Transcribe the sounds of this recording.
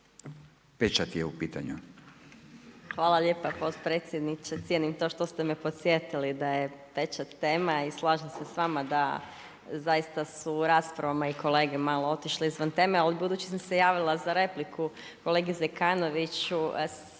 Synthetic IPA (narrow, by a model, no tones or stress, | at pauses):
pet͡ʃat̪ijeupiːt̪a̰ɲu | xʋaːlˠaʎe̞ːpapo̞t̪pɾet̪sʲjed̪nit͡ʃet̪sjenimt̪o̞ʃt̪o̞st̪e̞mepo̞t̪sʲjet̪ilid̪ajet̪et͡ʃat̪e̞ːmaislˠaːʒamse̞sʋaːmad̪a̰ | zajist̪asuɾaːspɾaʋamaiko̞le̞ːɡemalo̞o̞t̪iʃliizʋant̪e̞ːmealibud̪uːt͡ɕi̥s̬amsejaːʋilˠazaɾe̞pliku | ko̞le̞ːɡizekaːno̞ʋit͡ɕu